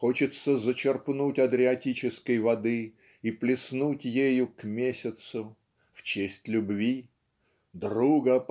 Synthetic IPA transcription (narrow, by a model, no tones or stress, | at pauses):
xo̞t͡ɕɪt̪səzət͡ɕɪrpnutʲɐd̪ɾʲɪɐtʲit͡ɕɪskəjvɐd̪ɨ | iplʲɪsnutʲjejʊkmʲesʲɪt̪sʊ | ft͡ɕesʲtʲlʲʊbvʲi | d̪ɾuɡəp